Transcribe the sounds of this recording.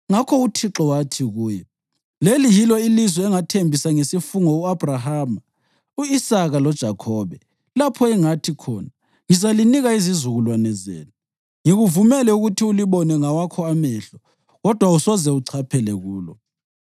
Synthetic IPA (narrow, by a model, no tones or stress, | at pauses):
ŋakʰɔutʰiǁɔwatʰiɣuːjɛ | lelijilɔilizwɛɛŋatʰembʱisaŋesifuŋɔuab̥rahama | uisaɣalɔd̥ʒ̥ʱakʰɔːβɛ | lapʰɔɛŋatʰikʰɔːna | ŋizaliniɣaizizuɣulwanɛzḛːni | ŋiɣuvumɛlɛuɣutʰiuliβɔnɛŋawakʰɔamɛɬɔ | ɣɔd̥ʱwausɔzɛuǀʰapʰɛlɛɣuːlɔ